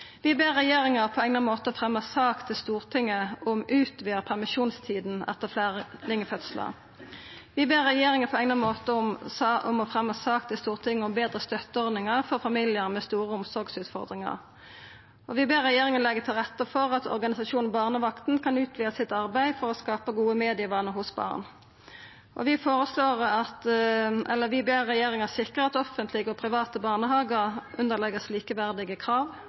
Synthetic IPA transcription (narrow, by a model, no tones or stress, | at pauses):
ʋɪbeːʁːɛjeːʁɪŋəʁpʰɔɛŋnəmoːt̪əɔfʁɛmːɑsɑːkt̪ʰɪlst̪uːʁt̪ʰɪŋːəʊmʉːt̪ʋiːəʁpʰæʁmɪʃuːnst̪ʰiːd̪n̩ɛ̰t̪əʁflælɪŋːəfœt̪slə̰ʁ | ʋɪbeːʁːɛjeːʁɪŋəpʰɔɛŋnɑmoːt̪əɔmsɑɔmɔfʁɛmːɑsɑːk̚t̪ʰɪlst̪uːʁt̪ʰɪŋːəʊmbeːd̪ʁəst̪œt̪ːəɔʁd̪ɪŋəʁfɔʁfɑmiːlɪəʁmɛst̪uːʁəʊmsɔʁɡsʉːt̪fɔ̰ʁd̪ʁɪŋɑ̰ʁ | ɔ̰ʋɪbeːʁːɛjeːʁɪŋənlɛɡət̪ʰɪlʁɛt̪ːəfɔʁɑt̪ʰɔ̰ʁɡɑnɪsɑsuːnn̩bɑːʁnəʋɑkt̪n̩kʰɑnʉːt̪ʰʋiːəsɪt̪ɑʁbæɪfɔʁɔskɑːpəɡuːəmeːd̪ɪəʋɑːnəhʊsbɑ̰ːʁn | ʔɔ̰ʋɪfoːʁəsloːʁɑt̪ʔɛlːəʁʋɪbeːʁʁɛjeːʁɪŋəsɪkəʁɑt̪ɔfənt̪ʰlɪɡəɔpʰʁɪʋɑːt̪əbɑːʁnəɦɑːɡəʁʔʉnd̪əʁlɛɡəsliːkəʋæʁd̪ɪɡəkʰɾɑːʋ